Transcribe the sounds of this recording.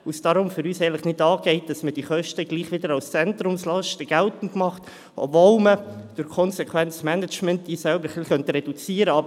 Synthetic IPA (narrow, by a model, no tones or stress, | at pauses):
usd̥ɑɾʊmfʏɾyːsɛɪntləχnɪdɑːɡ̥ɛɪt̚d̥ɑsməd̥iːχœʃtəɡ̥liːχʋɪdəɾɑʊst͡sɛntɾʊmslɑʃtəɡ̥ɛltn̩tmɑχt | ɔ̰bvolməd̥ʊɾkʰɔnsɛkʰwɛnt͡smɛnət͡ʃmɛnt̚d̥iːsɛlbəɾfliχœntɾɛd̥ut͡siːəɾəɑb